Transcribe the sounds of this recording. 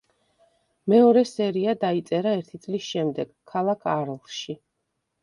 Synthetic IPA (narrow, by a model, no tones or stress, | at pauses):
mɛɔɾɛsɛɾiad̪ait̪sʼɛɾaɛɾt̪ʰit̪sʼlisʃɛmd̪ɛɡ̥kʰːalˠakʰaɾlʃi